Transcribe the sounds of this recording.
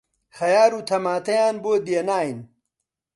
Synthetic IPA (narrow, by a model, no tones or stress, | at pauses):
hɐjaːɾuːt̪ʰɐmaːt̪ɐjaːnboːd̪jeːnaːjin